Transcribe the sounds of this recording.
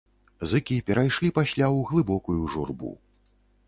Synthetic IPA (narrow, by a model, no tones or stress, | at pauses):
zɨkʲipʲɛɾajʂlʲipasʲlʲawɣlˠɨbɔkujuʐṵrbṵ